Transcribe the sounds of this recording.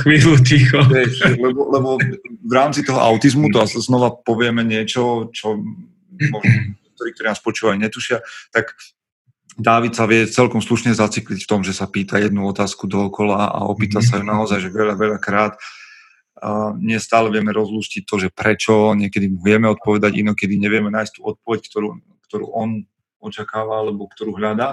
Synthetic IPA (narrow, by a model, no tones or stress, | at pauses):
xʋiːlucixɔjɛɛlɛbɔlɛbɔvɾaːmt͡sit̪ɔɦɔ̰ʔaʊt̪izmut̪ɔaznɔʋapɔʋɪɛmɛɲɪɛt͡ʃɔt͡ʃɔ | mɔʒnɔɛkt̪ɔɾikt̪ɔɾinaːspɔt͡ʃuːʋaliɲɛt̪uʃɪat̪ak | d̪aːʋit̪saʋɪɛt͡sɛlkɔmsluʃɲɛzat͡siklicft̪ɔmʒɛsapiːt̪ajɛd̪nuɔt̪aːskud̪ɔɔkɔlaa̰ɔ̰piːt̪asajunaɔzajʒɛʋɛʎaʋɛʎakɾaːt̪ | ɲɪɛst̪aːlɛʋɪɛmɛɾɔzluːscic̚t̪ɔʒɛpɾɛt͡ʃɔɲɪɛkɛd̪imuʋɪɛmɛɔt̪̚pɔʋɛd̪aɟḭnɔkɛd̪iɲɛʋɪɛmɛnaːjst̪uːɔt̪̚pɔʋɛckt̪ɔɾu | kt̪ɔɾṵːʔɔn | ɔt͡ʃakaːʋaalɛbɔkt̪ɔɾuːɦʎad̪aː